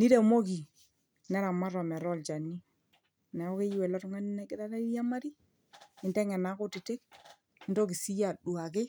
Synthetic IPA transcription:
ni˦ɾɛ˨mo˦k̬i˨ | nɛ˦ɾa˨ma˦ɾɔ˨mɛ˨ɾɔ˦lt͡ʃa˨ni˦ | nɛ˨ɔ˦ke˦jwɛ˨lɔ˦tʊ˦ŋa˦ni˦nɛ˨kɪ˦ða˦ɾa˦i˦ja˦ma˦ɾi˦ | ɪ˨ntɛ˦ŋɛ˨na˨˦kʊ˦tɪ˨tɪ˦k̚ | ɪ˨ndo˦k̬ɪ˨si˦ja˨du˨a˨k̬ɪ˦

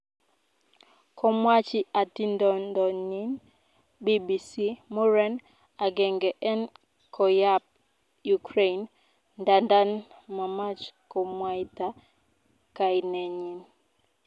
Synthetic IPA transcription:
kɔ˨mwa˦t͡ʃi˦a˨ti˦ndɔ˨ndɔ˨ɲi˦n | bi˦bi˨si˦mɔ˦ɾɛ˦n | a˨ɡɛ˨ŋɡɛ˨ʔɛ˦n | kʰɔ˨ja˦p̚ | jukɾe˦i˨nː | da˨nda˦n | ma˨ma˦t͡ʃkɔ˨mwa˦jta˦ | ka˨i˨nɛ˨ɲi˨n

